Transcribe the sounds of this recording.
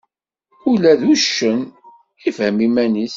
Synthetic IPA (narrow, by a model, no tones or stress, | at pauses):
ulæðuʃːən | ifhəmimænis